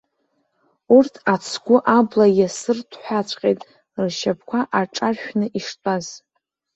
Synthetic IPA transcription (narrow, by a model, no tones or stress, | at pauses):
urtʰat͡sʰɡʷʊʔablajasɨrtʰħʷat͡ɕʷʰʼqʲʼejtʼ | rʃapʰkʷʰaʔaʈ͡ʂʼarʃᶣnɨʔiʂtʼaz̥